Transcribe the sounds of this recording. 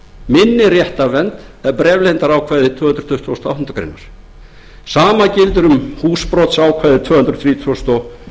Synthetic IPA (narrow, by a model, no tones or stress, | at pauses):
mɪnːɪrjɛht̪avɛnt̪ɛɾpɾɛːvlejnt̪aɾaːwkʰvaːjðɪt̪ʰvʏːhʏnɾ̥ɔ̥t̪ʰʏht̪ʰvst̪ɔawh̪ʏnt̪akʰɾḛnːaɾ̥ | saːmacɪlt̪ʏɾʏmhuːspɾɔt̪saːwkʰvaːjðɪt̪ʰvœːhʏnt̪ɾɔθɾiːt̪ʰvɔst̪ɔ